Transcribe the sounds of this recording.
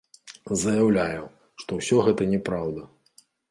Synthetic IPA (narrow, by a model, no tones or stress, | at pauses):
zɐjawlʲajɛ | ʂt̪ɔwsʲɔɣɛt̪ɐnʲɛpɾawd̪ɐ